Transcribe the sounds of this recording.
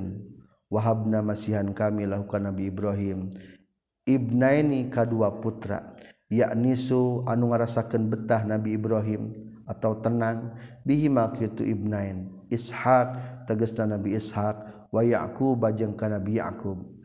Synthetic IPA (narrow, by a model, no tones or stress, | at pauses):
n | waɦab̚namasiɦankamilakukanːabiːbɾaɦim | ʔibnainikaduaput̪ɾa̰jaʔnisuanuŋaɾasakənbət̪aɦnabiːbɾaɦimʔat̪aut̪ənaŋ | biɦimakjut̪uʔibnain | ishak̚t̪əɡəsnanabiːshak̚ | waja̰ʔkubad͡ʒəŋkanabija̰kub̚